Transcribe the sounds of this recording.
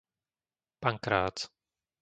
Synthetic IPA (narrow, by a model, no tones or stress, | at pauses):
paŋkɾaːt͡s